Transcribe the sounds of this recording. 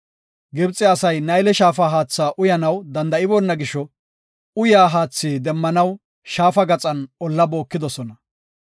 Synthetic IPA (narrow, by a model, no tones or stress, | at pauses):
ɡɪbt͡sʼːɪɐsɐjnɐjlɛʃaːfaːɦaːt͡sːaːʔʊjɐnɐwd̪ɐnd̪ɐɪbɔnːɐɡɪʃːɔ | ʊjaːɦaːt͡sːiːd̪ɛmːɐnɐw | ʃaːfɐɡɐt͡sʼɐnɔlːɐbo̞ːkːɪd̪ɔsɔnɐ